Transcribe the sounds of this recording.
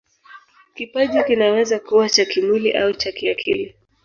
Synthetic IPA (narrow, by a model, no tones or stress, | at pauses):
kipaʄikinawɛzakuwat͡ʃakimiliʔaut͡ʃakiakʰḭli